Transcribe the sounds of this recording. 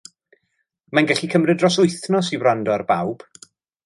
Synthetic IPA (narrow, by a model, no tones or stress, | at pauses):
manɡɛɬikʰəmrɨdrɔsʊɨθnɔsiwrandɔarba̰wb̥